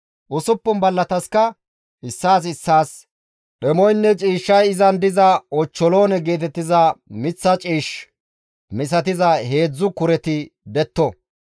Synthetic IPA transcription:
ʔʊsʊpːʊnbɐlːɐt̪ɐskɐ | ʔɪsːaːs̬ɪsːaːs | ɗɛmɔjnːɛt͡ʃʼiːʃːɐjɪzɐnd̪ɪzɐɔt͡ʃːɔlo̞ːnɛɡe̞ːt̪ɛt̪ːɪzɐmɪt͡sːɐt͡ʃʼiːʃ | mɪs̬ɐt̪ɪzɐhe̞ːd͡zːʊkʊɾɛt̪ɪd̪ɛt̪ːɔ

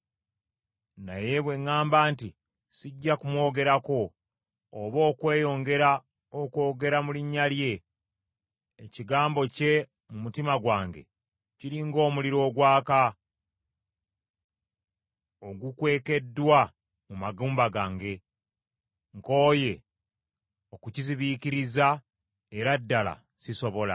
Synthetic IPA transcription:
na̰je̞βwe̞ŋːaːmbaːnti | siɟːakumwo̞ːɡe̞ɾako̞ː | βo̞ːkwe̞ːjo̞ŋɡe̞ɾa | oko̞ːɡe̞ɾamuliɲːalje̞ | ciɡaːmbo̞ce̞ | mumutimaɡwaːŋɡe̞̰ | ciɾiŋɡo̞ːmuliɾo̞ːɡwaːka | oɡukwe̞ːke̞dːwa | mumaɡuːmbaɡaːŋɡe̞ | ŋko̞ːje̞ | o̞kuciziβikiɾiza | eɾadːala̰ | siso̞βo̞la̰

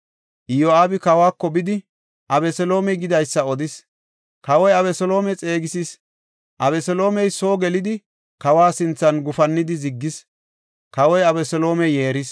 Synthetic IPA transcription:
ʔɪjoaːbɪkɐwaːkːɔbɪd̪ɪ | ʔɐbɛsɛlo̞ːmɛjɡɪd̪ɐjsːɐɔd̪ɪs | kɐwɔjɐβɛsɔlo̞ːmɛt͡sʼe̞ːɡɪsis | ʔɐbɛsɛlo̞ːmɛjso̞ːɡɛlɪd̪ɪ | kɐwaːsɪnt͡sːɐnɡʊfɐnːɪd̪ɪzɪɡːɪs | kɐwɔjɐbɛsɔlo̞ːmɛjeːɾɪs

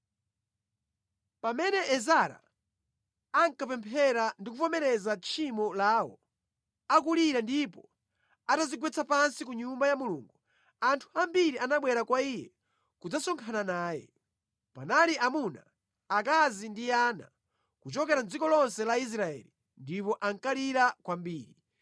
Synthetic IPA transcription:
pamɛnɛʔɛzaɾa̰ | aŋkapɛmpʰɛɾandikupɔmɛɾɛzat͡ʃʰimɔlaːwɔ̰ | ak̬uliɾandipɔ | ataziɡwɛt͡sʰapansikuɲumbajamulṵːŋɡu | antʰu̥ambiɾiʔanaɓwɛɾakwaijɛ̰ | kud͡zasɔŋkʰananaːjɛ̰ | panaliʔamuna | akazindiaːna̰ | kut͡ʃɔkɛɾand͡zikɔlɔnsɛlais̬ɾaɛ̰li | ndipɔʔaŋkaliɾakwambiːɾi

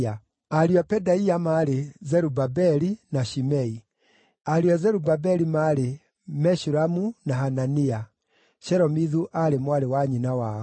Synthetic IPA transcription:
a | aɾiɔpɛdaiamaɾezɛɾubabɛɾinaʃimɛi | aɾiɔzɛɾubabɛɾimaɾe | mɛʃuɾamunaɦanania | ʃɛɾɔmiðuʔaɾemwaɾewaɲinawa

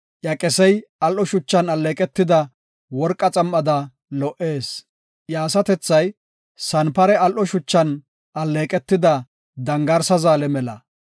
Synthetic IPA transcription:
ʔjɐkʼɛsɛjɐlʔɔʃʊt͡ʃːɐnɐlːeːkʼɛt̪ːɪd̪ɐ | wɔɾkʼːɐt͡sʼɐmːɐd̪ɐ | lɔʔe̞ːs | jaːsɐt̪ɛt͡sːɐj | sɐnpɐɾɛɐlʔɔʃʊt͡ʃːɐn | ɐlːeːkʼɛt̪ːɪd̪ɐ | d̪ɐŋɡɐɾsɐzaːlɛmɛlɐ̰

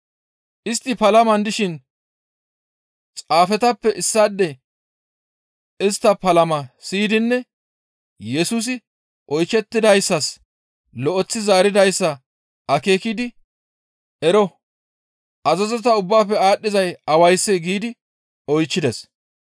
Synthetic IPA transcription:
ʔɪst̪ːɪpɐlɐmɐnd̪ɪʃɪn | t͡sʼaːfɛt̪ɐpːɛʔɪsːad̪ːɛ | ɪst̪ːɐpɐlɐmɐsiːd̪ɪnːɛ | jɛsuːs̬ɪ | ʔɔjt͡ʃːɛt̪ːɪd̪ɐjsːɐs | lɔʔɔt͡sːɪzaːɾɪd̪ɐjsːɐ | ʔɐke̞ːkɪd̪ɪ | ɛɾɔ | ʔɐzɐzɔt̪ɐʊbːaːpːɛaːɗːɪzɐjɐwɐjsːɛɡiːd̪ɪ | ɔjt͡ʃːɪd̪ɛs

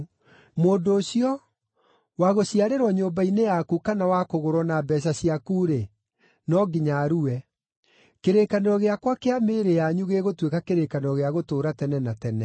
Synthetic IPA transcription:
moːdoːɕiɔ | waɣoɕiaɾeɾwaɲoːmbainejakukanawakoɣoɾɔnabɛɕ̬aɕiakuɾe | nɔɡiɲaːɾuɛ | keɾekaneɾɔɣeakwakeameːɾejaɲuɣeɣotwekakeɾekaneɾɔɣeaɣotoːɾatɛnɛnatɛnɛ

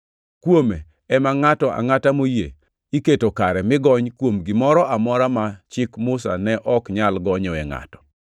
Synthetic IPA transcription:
kwome | ɛmaŋatɔʔa̰ŋatamojḛ | iketokaɾɛmɪɡɔɲkwomɡɪmɔɾɔʔamɔɾamat͡ʃɪkmʊsa̰nɛʔɔkɲalɡɔɲɔɛŋa̰tɔ̥

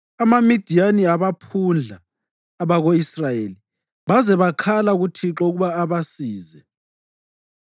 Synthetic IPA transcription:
amamid̥ʱijaniaβapʰund͡ɮʱaː | βaɣoisrajeli | βazɛβakʰalaɣutʰiǁoɣuβaːβasiːzɛ

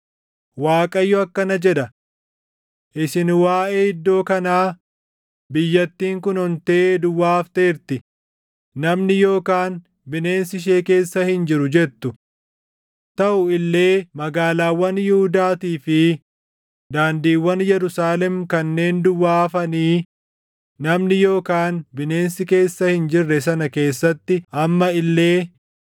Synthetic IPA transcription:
waːkʼɐjːɔɐkːɐnɐd͡ʒɛᶑ̪ɐ | ʔɪsɪnwaːʔeːɪd̪ːo̞ːkɐnaː | bɪjːɐt̪ːiːŋkʊnhɔnt̪e̞ːd̪ʊwːaːft̪eːɾt̪ɪ | nɐmnɪjo̞ːkaːn | bɪne̞ːnsɪʃ̬e̞ːke̞ːsːɐhɪnd͡ʒɪɾʊd͡ʒɛt̪ːʊ | t̪ɐʔʊɪlːe̞ːmɐɡaːlaːwːɐnjɪhʊd̪aːt̪iːfɪ | d̪aːnd̪iːwːɐnjɛɾʊsaːlɛmkɐnːe̞ːnd̪ʊwːaːfɐniː | nɐmnɪjo̞ːkaːnbɪne̞ːnsɪke̞ːsːɐhɪnd͡ʒɪrːɛs̬ɐnɐke̞ːsːɐt̪ːɪʔɐmːɐɪlːe̞ː

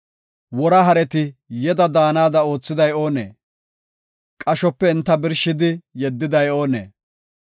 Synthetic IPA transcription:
wɔɾɐɦɐɾɛt̪ɪjɛd̪ɐd̪aːnaːd̪ɐo̞ːt͡sːɪd̪ɐjo̞ːnḛː | kʼɐʃɔpːɛɪnt̪ːɐbɪɾʃɪd̪ɪjɛd̪ːɪd̪ɐjo̞ːnḛː

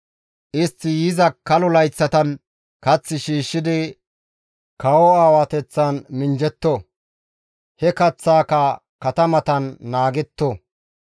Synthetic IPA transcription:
ʔɪst̪ːɪjɪzɐkːɐlʊlɐjt͡sːɐt̪ɐn | kɐt͡sːɪʃiːʃːɪd̪ɪ | kɐwɔaːwɐt̪ɛt͡sːanmɪnd͡ʒɛt̪ːo | hɛkɐt͡sːaːkɐ | kɐt̪ɐmɐt̪ɐnːaːɡɛt̪ːo

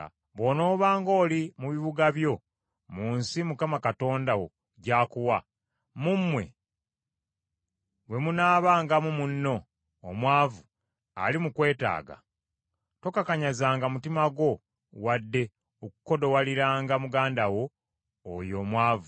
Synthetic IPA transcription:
βo̞no̞ːβaːŋɡo̞ːlimuβiβuɡaβjo̞ | muːnsimukamakato̞ːndawo̞̰ | ɟaːkuwa | mumːwe̞̰ | we̞munaːβaːŋɡamumunːo̞ː | mwaːvu | a̰limukwe̞ːta̰ːɡa̰ | to̞kakaɲazaːŋɡamutimaɡwo̞ | wadːe̞ | oku̥ko̞do̞waliɾaːŋɡamuɡaːndawo̞̰ː | jo̞ːmwaːvu

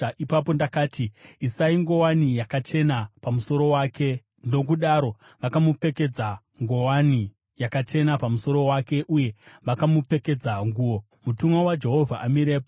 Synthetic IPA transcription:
ipapo̞ndakaːtiisaiŋɡo̞wanijakat͡ʃe̞napamuso̞ɾo̞wake̞ | ndo̞k̬uɗaɾo̞ | ʋakamupe̞ke̞d͡za | ŋɡo̞wani | jakat͡ʃe̞napamuso̞ɾo̞wake̞ʔuje̞ʋakamupe̞ke̞d͡zaŋɡuːwo̞ | mutumwawad͡ʒe̞ɦo̞vʱaʔamiɾeːpo

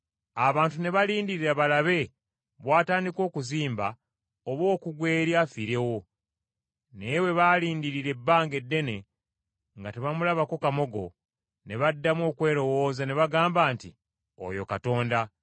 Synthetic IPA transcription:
aβaːntune̞βaliːndiɾiɾaβalaβe̞ | βwaːtaːndiko̞ːkuziːmba | oβwo̞ːkuɡwe̞ːɾjafiɾe̞wo̞ | newe̞βaliːndiɾiɾe̞bːaːŋɡe̞dːe̞ne̞ | ŋɡateβamulaβako̞kamo̞ɡo̞̰ | ne̞βadːamo̞ːkwe̞ːɾo̞wo̞ːzane̞βaɡaːmbaːnti | o̰jo̞̰kato̞ːnda

